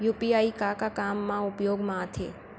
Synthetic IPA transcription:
jupiaːikakakamːãʊpjoːɡmãt̪ʰḛː

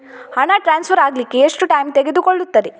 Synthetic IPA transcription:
hɐɳɐʈɾaːnspʰɐɾaːɡlikːeːʂʈuʈɐjmt̪eɡe̞d̪ukoɭːut̪ːɐɾe

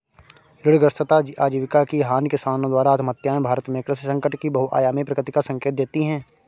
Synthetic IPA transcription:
ɾɪɽɡɾəst̪ʰət̪ad͡ʒiʔaːd͡ʒiːʋɪkakiɦaːnkɪsaːnõd̪waːɾaːt̪ʰmət̪jaːẽbʱaːɾət̪mẽkɾɪssɐ̃ŋkəʈkibɐɦuʔa̰ːjaːmẽpɾɐkɾɪt̪ɪkasɐ̃ŋkeːt̪̚d̪eːt̪iɦɛ̃ː

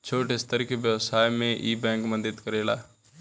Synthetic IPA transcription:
t͡ʃʰoːʈest̪əɾkeʋjəʋsaːjmẽʔiːbɛ̃ːŋkmə̃nd̪əd̪kəɾeːla̰ː

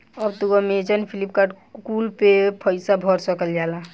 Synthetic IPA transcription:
əbt̪uɡɔmed͡ʒənpʰilip̚kaɖ | kulpepʰəɪsabʱɔɾsəkəld͡ʒala

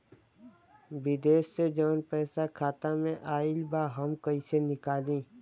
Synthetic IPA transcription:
bɪd̪eːʃsed͡ʒɔːnpɛːsakʰaːt̪amẽʔaːɪlbaːɦɐmkɐisenɪkaːlĩː

